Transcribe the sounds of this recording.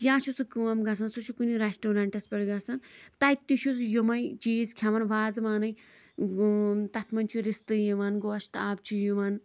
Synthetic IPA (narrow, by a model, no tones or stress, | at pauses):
jaːʃusɨkɨːɐmɡɐsɐnsut͡ʃʰukuniɾesʈoːɾɐɳʈɐspɐɽɡɐsɐnt̪ɐjt̪iʃusjumɐjt͡ʃiːzkʲʰjɐʋɐnʋaːzɨmaːnɨj | t̪ɐt̪ʰmɐnt͡ʃʰuɾist̪ɨjiʋɐnɡoːʃt̪aːb̚t͡ʃʰujuʋɐn